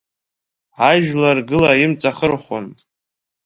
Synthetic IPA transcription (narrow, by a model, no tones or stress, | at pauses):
aʒᶣlarɡɨlaimt͡sʼaχərχʷo̰n